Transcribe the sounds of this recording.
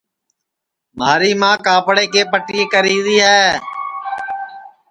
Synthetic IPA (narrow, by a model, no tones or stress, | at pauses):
maːɾiːmãːkaːpɽeːkeːpəʈiːeːkəɾiːd̪iːɦɛː